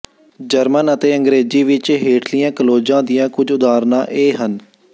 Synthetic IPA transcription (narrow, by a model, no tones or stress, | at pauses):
d͡ʒəɾmənət̪eːə̃ŋɡɾeːziːʋɪt͡ʃɦeːʈʰlijãːkəloːd͡ʒãːd̪ijãːkʊd͡ʒʊd̪aːɾnãːʔeːɦən